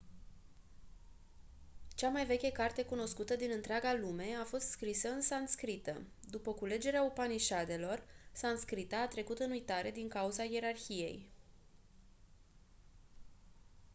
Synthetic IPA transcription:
t͡ʃamajve̞kʲekart̪e̞kuno̞skut̪əd̪inɨnt̪ɾeaɡalume̞afo̞st̪skɾisəɨnsanskɾit̪ə̰ | d̪upəkule̞d͡ʒe̞ɾeaopaniʃad̪e̞lo̞rsanskɾit̪aːt̪ɾe̞kut̪ɨnujt̪aɾe̞d̪iŋkauzaje̞ɾarçije̞̰j

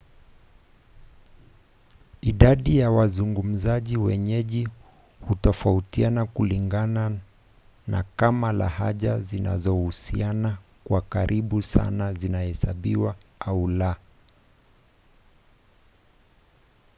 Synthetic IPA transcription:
iɗaɗijawazuŋɡum̩zaʄiwɛ̰ɲɛʄi | hutɔfautianakuliŋɡana | na̰kamala̰haʄazina̰zɔhusianakwakaɾʔiɓusa̰nazinahɛsaɓiwaaula

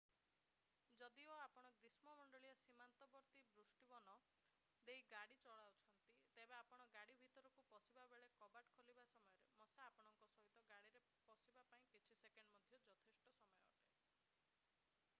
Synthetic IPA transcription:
d͡ʒɔd̪iɔapɔɽ̃ɔɡɾismɔmɔɳɖɔɭijɔsimant̪ɔbɔɾt̪ibɾusʈibɔnɔ | d̪eiɡaɽit͡ʃɔɭawt͡ʃʰɔnt̪it̪ebeapɔɽ̃ɔɡaɽibʱit̪ɔɾɔkupɔsibabeɭekɔbaʈkʰolibasɔmɔjɔɾemɔsaːpɔɽ̃ɔŋkɔsɔɦit̪ɔɡaɽiɾe | pɔsibapaĩkit͡ʃʰisekeɳɖmɔd̪ʱjɔd͡ʒɔt̪ʰesʈɔsɔmɔjɔʈe

